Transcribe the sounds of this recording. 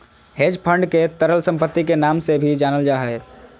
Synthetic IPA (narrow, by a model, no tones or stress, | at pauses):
ɦed͡ʒpʰəɳɖket̪əɾəlsə̃mpət̪ːikenaːmsebʱid͡ʒaːnəld͡ʒaːɦɛ